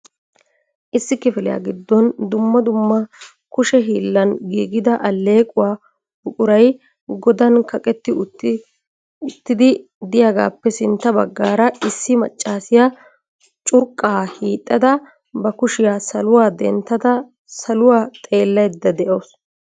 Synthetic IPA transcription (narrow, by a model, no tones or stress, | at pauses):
ʔɪsːɪkɪfɪlɪ̰ja̰ːɡɪd̪ːɔnd̪ʊmːɐd̪ʊmːɐ | kʊʃɛɦiːlːɐnɡiːɡɪd̪ɐʔɐlːe̞ːkʼʊwaː | bʊkʼʊɾɐj | ɡɔd̪ɐnkɐkʼɛt̪ːɪ | ɪt̪ːɪd̪ɪ | d̪ɪjaːɡa̰ːpːɛsɪnt̪ːɐbɐɡːaːɾɐɪsːɪmɐ̰t͡ʃʼːaːsɪja | t͡ʃʼʊɾkʼːaːhiːt̪ʼːɐd̪ɐ | bɐkʊʃɪjaːsɐlʊwaːd̪ɛnt̪ːɐd̪ɐ | sɐlʊwaːt̪ʼe̞ːlːɐjd̪ːɐd̪ɛʔoːs